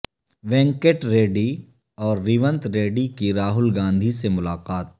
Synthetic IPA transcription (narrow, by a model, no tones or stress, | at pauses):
ʋɛ̃ːŋkeːʈɾeːɖi | ɔːɾːiːʋə̃nt̪ɾeːɖikiɾaːɦʊlɡãːnd̪ʱisemʊlaːqaːt̪̚